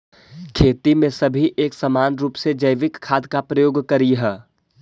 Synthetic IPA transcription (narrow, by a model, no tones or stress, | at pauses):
kʰeːt̪imẽsɐbʱiʔeːksəmaːnɾuːpsed͡ʒəjʋɪkʰːaːd̪kapɾəjoːɡkəɾiɦɛː